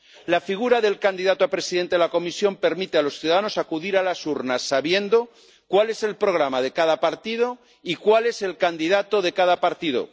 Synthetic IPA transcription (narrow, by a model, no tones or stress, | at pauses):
lafiɣ̞uɾaðe̞lkand̪iðat̪oapɾe̞siðent̪eelako̞misjo̞mpe̞ɾmit̪ealo̞sθjuðaðanosakuðiɾalasuɾnasːaβje̞nd̪o̞ | kwale̞se̞lpɾo̞ɣɾamaðe̞kaðapaɾt̪iðo̞ | ikwale̞se̞lkand̪iðat̪oðe̞kaðapaɾt̪iðo̞̰